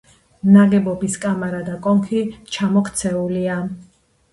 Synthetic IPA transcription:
naɡɛbɔbiskʼamaɾad̪akʼɔŋkʰit͡ʃʰamɔkʰt̪sʰɛulia

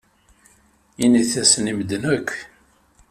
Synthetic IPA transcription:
iniθæsniməd̪ənækʷː

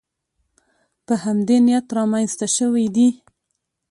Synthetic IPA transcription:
pəhamd̪enijat̪ɾɑmanst̪aʃəwijd̪i

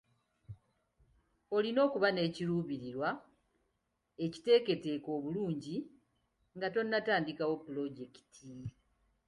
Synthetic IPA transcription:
o̞lino̞ːkuβane̞ːciɾuːβiɾiɾwa | e̞ci̥te̞ːke̞te̞ko̞ːβuluːɲɟi | ŋɡato̞nːataːndikawo̞pːulo̞ɟeki̥tʰi

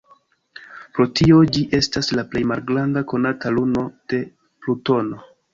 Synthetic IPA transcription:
pɾo̞tio̞d͡ʒiʔe̞staslaple̞jmalɡɾandako̞nataluno̞d̥e̞ | pluto̞no̞

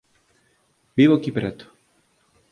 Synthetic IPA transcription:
bivɔkipɾɛt̪

